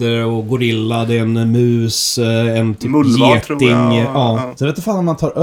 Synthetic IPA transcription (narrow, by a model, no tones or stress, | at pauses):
əɔɡʊɾɪlːad̪ɛnmʉ̟ːsɛnt̪ʰyːjeːt̪ɪŋɑːsɔd̪ɛʋɛt̪ːəɾfaːnɔmant̪ʰɑːɾʔœ